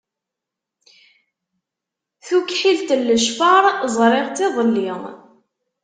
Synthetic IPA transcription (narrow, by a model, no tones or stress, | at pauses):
θukħilt̪əlːəʃfɑɾˤzˤɾˤɪʁt̪ːɪðˤəlːiʁ